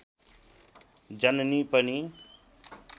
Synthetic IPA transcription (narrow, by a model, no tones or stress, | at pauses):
d͡ʒənniːpəni